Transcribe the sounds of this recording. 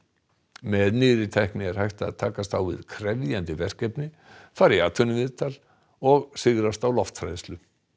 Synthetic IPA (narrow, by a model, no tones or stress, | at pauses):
mɛðnɪːðɾɪt̪ʰɛhknɪɛɾ̥hajht̪a̰ðt̪ʰaːkast̪awvɪ̰ðkʰɾɛvðjant̪ɪvɛr̥cɛpnɪ | faːɾɪaːt̪ʰœnɪvɪðt̪ʰal | ɔɣsɪɣɾast̪awlɔft̪fɾajðst̪lʏ